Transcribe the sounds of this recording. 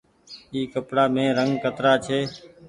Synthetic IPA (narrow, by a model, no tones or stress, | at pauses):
iːkəpɽaːmẽːɾəŋɡkət̪ɾaːt͡ʃʰeː